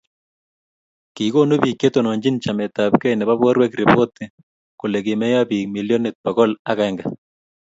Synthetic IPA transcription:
ki˨ɣo˦no˦bi˨kːe˦t̪o˨nɔ˨ɲd͡ʒi˦nt͡ʃa˨mɛ˨t̪a˨pkɛ˦jnɛ˨βa˦βwɔ˦ɾwɛ˦kɾe˨bo˦t̪ɪ | kʊ˨lɛ˨kɪ˨mɛ˦ja˦bi˨kmi˨ljo˦ne˨t̪̚pa˨ɣɔ˦la˦ɣaɛŋɡa˨

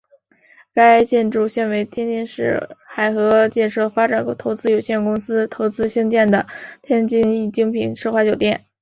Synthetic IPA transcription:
ka˥ɪt͡ɕjɛ˥˧nʈ͡ʂu˥˧ɕɛ˥˩nwe˧˥ɪt̪ʰjɛ˥nt̪i˥˧nʂɻ̩˥˩xa˨˩ɪxɤ˧˥t͡ɕjɛ˥˧nʂɤ˥˩fa˥ʈ͡ʂa˨˩n˥t̪ʰo˧˥ʊt͡sɹ̩˥jo˨˩ʊɕjɛ˥˩nkʊ˥ŋsɹ̩˥t̪ʰo˧˥ʊt͡sɹ̩˥ɕi˥ŋt͡ɕjɛ˥˩nd̪ə˩t̪ʰjɛ˥nt͡ɕi˥˧ni˥˩t͡ɕi˥ŋpʰi˨˩˦nʂɤ˥˧xwa˥˧˩t͡ɕjo˨˩ʊt̪jɛ˥˩n

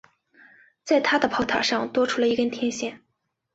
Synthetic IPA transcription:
t͡sa˥˩ɪt̪ʰa˥d̪ə˨pʰɑ˧˥ʊt̪ʰa̰˨˩ʂɑ˥˧ŋt̪wɔ˥ʈ͡ʂʰu˥lə˧i˧˥kə˥nt̪ʰjɛ˥nɕjɛ˥˩n

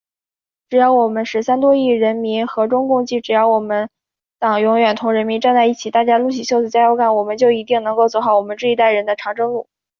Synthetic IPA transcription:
ʈ͡ʂɻ̩˨˩jɑ˥˩ʊwɔ˨˩mə˦nʂɻ̩˧˥sa˥nt̪wɔ˥i˥˩ɻə˧˥nmi˧˥nxɤ˧˥ʈ͡ʂʊ˥ŋkʊ˥˧ŋt͡ɕi˥˩ʈ͡ʂɻ̩˨˩jɑ˥˩ʊwɔ˨˩mə˦n | t̪ɑ˨˩ŋjʊ˧˥ŋɥɛ˨˩nt̪ʰʊ˧˥ŋɻə˧˥nmi˧˥nʈ͡ʂa˥˧nt͡sa˥˧ɪi˥˩t͡ɕʰi˨˩t̪a˥˩t͡ɕja˥lu˥˩ɕ̬i˧˥˩ɕjo˥˧ʊt͡sɹ̩˨˩t͡ɕja˥jo˥˧ʊkʰa˥˩nwɔ˨˩mə˦nt͡ɕjo˥˩ʊi˧˥t̪i˥˩ŋnɤ˧˥ŋko˥˩ʊt͡swɔ˧˥xɑ˧˩ʊwɔ˨˩mə˦ʈ͡ʂɻ̩˥˩i˧˥t̪a˥˩ɪɻə˧˥nd̪ə˧ʈ͡ʂʰɑ˧˥ŋʈ͡ʂɤ˥ŋlu˥˩

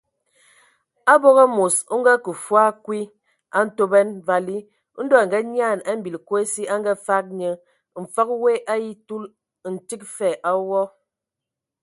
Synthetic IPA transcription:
a˦bɔ˦ɣɔ˦mo˨su˦ŋ̩˦ɡa˦kə˨fwa˦kwi˦ | a˦n̩˦to˦bɛ˦nva˨li˦ | n̩˦dɔ˦a˨ŋ˨ɡɛ˦ɲ˦a˦˨na˦m̩˦bi˨lko˦e˦si˦a˦ŋ˦ɡɛ˦fa˦k̚ɲə˦ | m̩˨fa˦kwe˦ʔa˦ji˦tu˦l | n̩˨ti˦k̚fɛ˨ʔa˦wɔ˦

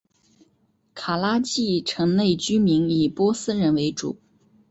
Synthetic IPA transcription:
kʰa˨˩la˥t͡ɕi˥˩ʈ͡ʂʰɤ˧˥ŋne˥˩ɪt͡ɕy˥mi˧˥ni˨˩pwɔ˥sɹ̩˥ɻə˧˥nwe˧˥ɪʈ͡ʂṵ˨˩˦

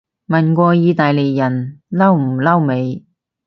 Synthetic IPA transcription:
mɐ˨˩nkʷɔː˧jiː˧t̪aː˨jle˨jːɐ˨˩nlɐ˥wm̩˨˩lɐ˥wme˨˧j

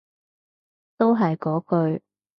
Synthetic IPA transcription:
t̪o˥wɦɐ˨jkɔː˨˥kɵ˧ɥ

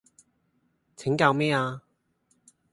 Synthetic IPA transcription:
t͡sʰɪ˨˥ŋkaː˧wmɛː˥aː˧

